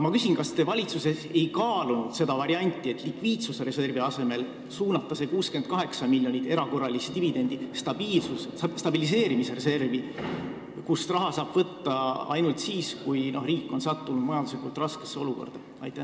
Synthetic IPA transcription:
mɑkysinkɑst̪evɑlʲit̪suse̞se̞jkɑːlunud̪̥se̞d̪ɑvɑɾiɑnʲt̪ʲːˑie̞t̪ːˑlikviːt̪susre̞se̞rviɑse̞me̞l | suːnɑt̪ːˑɑse̞kuːske̞nd̪̥̚kɑɦe̞ksɑmiljonʲit̪e̞ɾɑko̞rːɑlist̪ivid̪̥e̞nd̪̥ist̪ɑb̥iːlsusst̪ɑbilis̬e̞ːɾimisere̞se̞rvi | kusrɑɦɑsɑːb̥vɤt̪ːɑɑ̰jnult̪siːskujno̞hriːkːˑo̞nsɑt̪ːunud̪̥mɑjɑnd̪uslipolt̪rɑske̞̥sːeo̞luko̞̰rd̪̥ɑ | ɑ̰jt̪ːˑæ

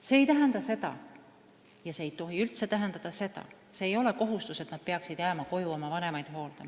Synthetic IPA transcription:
se̞ːjt̪æɦe̞nd̪ɑse̞d̪̥ɑ̰ | jɑse̞ːjt̪o̞ɦiylt̪se̞t̪æɦend̪ɑd̪̥ɑse̞d̪̥ɑ̰ | se̞ːjo̞le̞ko̞ɦust̪use̞t̪nɑt̪̚pe̞ɑksid̪̥jæːmɑko̞juo̞mɑvɑne̞mɑjd̪̥ɦo̞ːld̪e

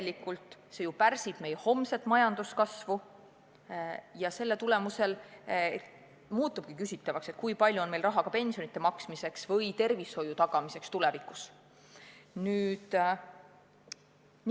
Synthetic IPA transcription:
likːult̪ˑse̞jupærsib̥me̞jeho̞mse̞t̪ːˑmɑjɑnd̪̥uskɑsvu | jɑse̞lːet̪ule̞muse̞l | muːt̪ːub̥kikysit̪ˑːɑvɑkse̞t̪̚kujpɑlʲjuo̞nmelrɑɦɑkɑpe̞nsijo̞nit̪ːˑemɑksmise̞ksvɤjt̪e̞rvisho̞jut̪ɑɡ̥ɑmise̞kst̪ulevikus | nyːd̪

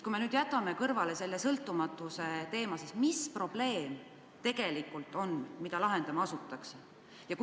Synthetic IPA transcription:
kujme̞nyːd̪̥jæt̪ˑːɑme̞kɤrvɑle̞se̞lːe̞sɤlt̪ːˑumɑt̪ːˑuse̞t̪e̞ːmɑsesmispro̞b̥le̞ːm | t̪e̞ɡ̥e̞likːult̪ːˑo̞nmid̪ɑlɑɦe̞nd̪ɑmɑsut̪ːˑɑkse | jɑk

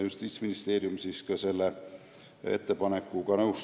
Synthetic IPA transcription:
just̪iːt̪sminist̪e̞ːɾjumsiskɑse̞lːe | e̞̰t̪ːe̞pɑne̞kːˑuɡ̥ɑnɤws

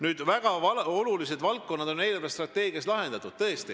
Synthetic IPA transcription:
nyːd̪̥væɡ̥ɑɑolulis̬e̞d̪̥vɑlkːo̞nːɑd̪̥o̞nːe̞jlebest̪rɑt̪ːˑe̞ːɡ̥iɑst̪lɑɦe̞nd̪ɑt̪ːˑud̥̪t̪ɤ̞est̪i

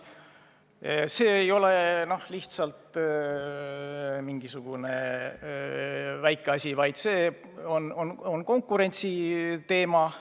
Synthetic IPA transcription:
se̞ːjo̞le̞no̞hliht̪sɑlt̪ | miŋɡ̥isuɡ̥une̞ | væjkˑːeɑsʲivɑjd̪̥seː | onononko̞ŋkːˑuɾe̞nʲt̪sit̪e̞ːmɑ

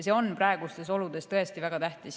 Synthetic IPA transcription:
se̞o̞nprɑe̞ɡ̥ust̪e̞so̞lud̪̥e̞st̪ɤ̞e̞st̪ivæɡ̥ɑt̪æht̪is

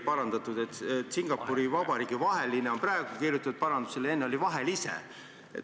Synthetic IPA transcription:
pɑɾɑnd̪ɑt̪ˑud̪̥e̞t̪et̪ːˑsiŋɡ̥ɑpːuɾivɑbɑɾiːɡ̥ivɑɦe̞lineo̞mprɑeɡ̥ukirjut̪ːˑud̪̥̚pɑɾɑnd̪u̥selee̞nːeo̞livɑɦe̞lisḛ | ḛ

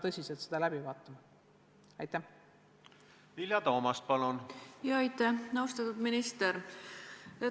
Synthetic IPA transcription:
t̪ɤsʲiselt̪se̞d̪̥ɑlæb̥ivɑːt̪ːˑɑm | ɑjt̪ːˑæh | vilʲjɑt̪o̞ːmɑst̪̚pɑlunjɑːɑjt̪ːæhnɑwst̪ɑt̪ːˑud̪̥minist̪eɾ | e

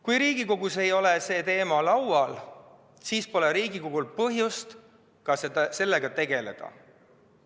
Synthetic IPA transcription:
kujɾiːɡ̥iko̞ɡ̥use̞jo̞lese̞ːt̪e̞ːmɑlɑwɑl | siːspo̞leɾiːɡ̥iko̞ɡ̥ulpɤɦjust̪ | kɑsese̞lːe̞ɡ̥ɑt̪e̞ɡe̞le̞̰d̪̥ɑ̰

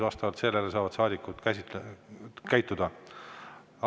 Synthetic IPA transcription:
vɑst̪ɑvɑlt̪se̞lːe̞lesɑːvɑd̪sɑːd̪ikːˑut̪kæs | kæjt̪ːˑud̪̥ɑ | ɑ

